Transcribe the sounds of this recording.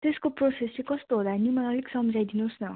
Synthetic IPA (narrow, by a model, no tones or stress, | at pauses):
t̪eskoprosesikʌst̪oɦod̪anumanʌliksʌmd͡zajd̪inosnʌ